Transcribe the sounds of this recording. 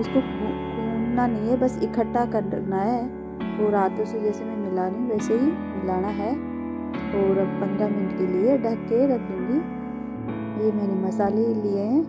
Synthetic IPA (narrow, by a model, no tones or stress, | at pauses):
ʊskokuːnnanɐɦĩɦɛbɐsɪkʰəʈːakɐɾnaɦɛː | oːɾaːt̪ʊsed͡ʒɛːsemẽmɪlaːniʋɛːseɦi | mɪlaːnaɦɛː | ɔːɾpɐ̃ŋɡamɪnɖkelieɖɐɾkːeɾɐt̪ʰẽbʱi | jemɛːnemɐsaːlelieɦɛ̃ː